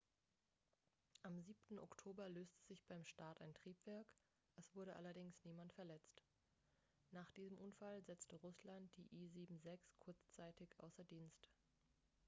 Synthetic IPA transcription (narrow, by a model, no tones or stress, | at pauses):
ʔamziːp̚tn̩ɔktʰoːbɐløːstʰəzɪçb̥aɪmʃtaːtaɪntʁ̥iːpv̥ɛɐk | ʔɛsv̥ʊɐɾəʔa̰lɐdɪŋsniːmantfɛɐlɛt͡st | naːχd̥iːzəmʔʊnfalzɛt͡stəʁʊslant̚d̥iːʔiːziːbm̩zɛkskʰʊɐt͡st͡saɪtɪçʔa̰ʊsɐdiːnst